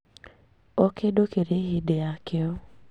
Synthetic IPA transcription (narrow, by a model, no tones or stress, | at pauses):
okedokedeɦɪdeakɪɔ